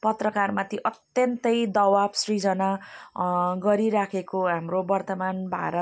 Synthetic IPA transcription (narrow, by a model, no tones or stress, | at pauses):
pʌt̪rʌkarmat̪ʰiʔʌt̪jʌnt̪ʌjd̪ʌwabsrid͡zʌna | ɡʌɾiɾakʰekoɦamrobʌrt̪ʌmanbʱa̰ɾʌt